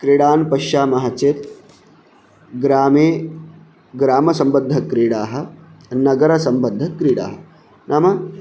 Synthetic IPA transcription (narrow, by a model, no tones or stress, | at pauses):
kɾiɽaːnpɐʃaːmɐɦat͡ʃeːt̪̚ | ɡɾaːmeː | ɡɾaːmɐsɐmbɐd̪ʱːɐkɾiːɽaːɦɐ̆nɐɡɐɾɐsɐmbɐd̪ʱːɐkɾiːɽa̰ːɦɐ | nʔaːmɐ